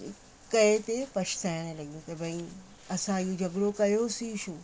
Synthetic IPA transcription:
kɐet̪epɐʃt̪aːjɽ̃lɐɡijũt̪ɐbʱɐ̃ĩ | ɐsãjid͡ʑʱɐɡɽokɐjosiʃuː

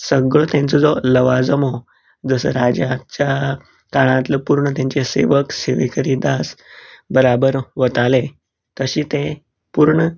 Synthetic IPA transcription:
səɡɭt̪ãnt͡sɔd͡zɔləʋad͡zəmɦo | d͡zəsəɾad͡ʑat͡ɕja | kaɭãt̪ləpuɾɳət̪jãɲt͡ɕesḛʋəkseʋekəɾid̪asbəɾabəɾʋət̪ale | t̪əɕiːt̪ẽ | puɾɳə

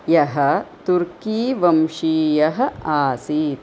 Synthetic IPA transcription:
jɐɦɐ̆t̪uɾkiːʋɐmʂiːjɐɦɐ̆aːsiːt̪

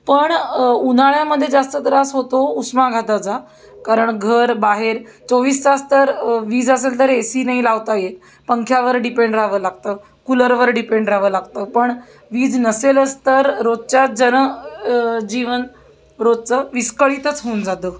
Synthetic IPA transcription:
pəɳun̤aɭjaməd̪ʱːjed͡zast̪ət̪əɾasɦot̪ousmaɡʱat̪at͡sa | kaɾəɳɡʱəɾbaɦeɾt͡soʋiːst͡sast̪əɾʋiːd͡zəs̬elt̪əɾesiːnaɦilaʋt̪ajet̪ | pəŋkʰjaʋəɾɖipeɳɖɾaʋəːlaɡ̚t̪ə | kuləɾʋəɾɖipeɳɖɾaʋəːlaɡt̪əpəɳ | ʋiːd͡znəseləst̪əɾɾod̪̚t͡ɕad͡zən | d͡ʑiʋən | ɾod̪̚t͡səʋiskəɭit̪ət͡sɦound͡zat̪əː

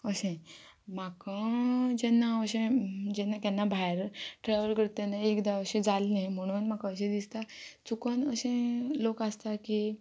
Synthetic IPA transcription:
əɕẽ | m̤akãd͡ʑɛnːaəɕẽd͡ʑɛnːakɛnːabʱajɾʈɾaʋəɾkəɾt̪ẽnaekd̪aəɕẽd͡zalẽm̤əɽ̃uːnmakaəɕ̬ẽd̪ist̪at͡sukənəɕẽlokast̪aki

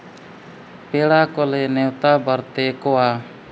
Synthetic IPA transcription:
peɽakɔlɛnɛwt̪abəɾt̪ɛkɔwa

